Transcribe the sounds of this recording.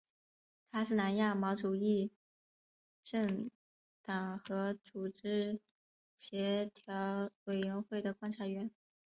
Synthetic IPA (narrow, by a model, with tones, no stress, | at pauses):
t̪ʰa˥ʂɻ̩˥˩na˧˥nja˥˩mɑ˧˥ʊʈ͡ʂu˨˩i˥˩˧ | ʈ͡ʂɤ˥˩ŋ | t̪ɑ˨˩ŋxɤ˧˥t͡su˨˩ʈ͡ʂɻ̩˥ | ɕjɛ˧˥t̪ʰjɑ˧˥ʊwe˨˩ɪɥɛ˧˥nxwe˥˩ɪd̪ə˩kwa˥nʈ͡ʂʰa˧˥ɥɛ˧˥n